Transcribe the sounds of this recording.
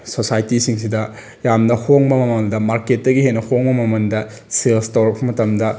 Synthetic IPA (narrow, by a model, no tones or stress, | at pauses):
sosajtisiŋsidɐ | jamnɐhoŋbɐmɐmɐldɐmaɾket̚dɐɡiɦenːɐhoŋbɐmɐmɐndɐ | selstɐwɾɐk̚pɐmɐtɐmdɐ